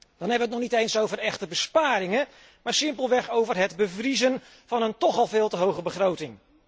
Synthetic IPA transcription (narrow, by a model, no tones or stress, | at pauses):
d̥ɑnɦɛbəʋətnɔχnitejnsowvərɛχtəbəspaːɾɪŋə | maːɹsɪmpəlˠʋɛχowvərɦɛdbəvrizən | v̥ɑnəntɔχɑlˠvɪːlˠtəɦowχəbəχrowtɪŋ